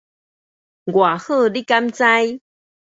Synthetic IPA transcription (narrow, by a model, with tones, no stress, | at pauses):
ɡwa˨˩xɤ˥˧˨li˦ka˦mt͡sa˦˥j